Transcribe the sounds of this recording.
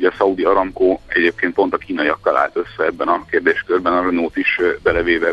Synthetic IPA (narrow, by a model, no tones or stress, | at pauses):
ɒsɒud̪iɒɾɒmkoːɛ̰ɟeːp̚keːnt̪po̞nt̪ɒkiːnɒiɒkːɒlʔa̰ːlt̪ø̞sːɛɛbːɛnɒkeːrd̪eːʃkørbɛnɒɾønoːt̪iʃbɛlɛveːvɛ